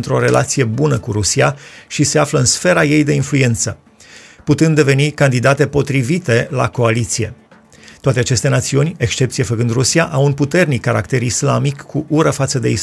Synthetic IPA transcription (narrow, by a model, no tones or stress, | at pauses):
nt̪ɾo̞ɾe̞lʔa̰t̪sije̞bunəkuɾusiaʃise̞afləɨnsfe̞ɾaje̞jd̪e̞influe̞nt̪sə | put̪ɨnd̪ːe̞ve̞nikand̪id̪at̪e̞po̞t̪ɾivit̪e̞la̰ko̞alit̪sije | t̪oat̪e̞at͡ʃe̞st̪e̞nat̪siunʲe̞kʃt͡ʃe̞p̚t̪sijefəkɨnd̪rusiaʔawunput̪e̞rnikːaɾakt̪e̞ɾislamikʰːuʔuɾəfat̪səd̪e̞is